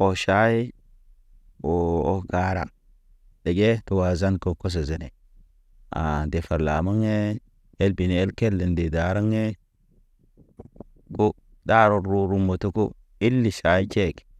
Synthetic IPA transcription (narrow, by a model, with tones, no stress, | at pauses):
o˨ʃa˨˦ji˦ | o˨o˦ɡaː˨˦ɾa̰˨ | ɗe˨ɡe˦tu˨wa˨za˦nko˨ko˦s̬e˨ze˨ne˨ | a̰˨de˨fa˨ɾla̰˨ma˦ŋe˦ | e˦lbi˨ne˨e˦lke˦lːe˨nde˨da˨ɾa˦ŋe˦ | ku˦ | daː˦ɾo˨ɾu˦ɾu˦mːo˨tu˦kṵ˦ | i˦lːi˨ʃa˨˦i˦t͡ʃe˦˨k